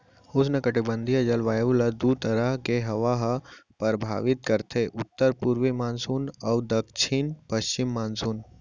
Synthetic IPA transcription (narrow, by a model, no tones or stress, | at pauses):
hosnɐkɐʈibə̃nd̪ʱijɐd͡ʒɐlʋaːjʋulɐd̪ut̪əɾəɦkeɦɐʋaɦpəɾbʱa̰ːʋɪt̪̚kɐɾt̪ʰeʔʊt̪ːəɾpuɾʋimaːnsunɐʋd̪ɐkt͡ʃʰinpəʃt͡ʃɪmːaːnsuːn